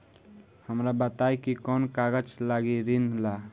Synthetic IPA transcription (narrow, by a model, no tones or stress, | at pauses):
həmɾabət̪ajkikɔnkaɡəd͡ʒlaɡiɾinla